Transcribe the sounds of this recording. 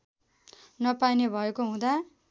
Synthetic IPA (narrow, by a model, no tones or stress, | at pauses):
nʌpajnebʱʌekoɦũd̪a